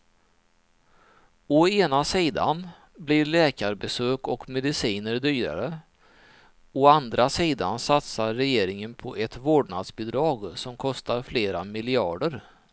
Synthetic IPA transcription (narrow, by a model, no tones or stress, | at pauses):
ɔeːnasiːd̪a̰n | bliɾɭɛːkaɾbɛsøːkɔkmɛd̪ɪsiːnəɾd̪yːɾa̰ɾə | ɔand̪ɾasiːd̪a̰nsat̪saɾːɛjeːɾɪŋənpʰɔʔɛt̪voːɖɳa̰d̪sbɛd̪ɾɑːɡsɔmkʰɔst̪aɾfleːɾamɪlɪɑ̰ːɖəɾ